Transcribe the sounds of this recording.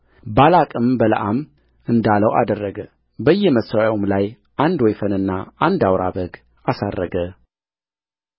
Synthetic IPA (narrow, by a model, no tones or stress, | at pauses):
balakʼɨmbələʔam | ɨnd̪aləwa̰d̪ərːəɡə | bəjːɛməsaawomlaj | ʔand̪wɔjfənɨnːaand̪awɾa̰bəɡ | asarːəɡə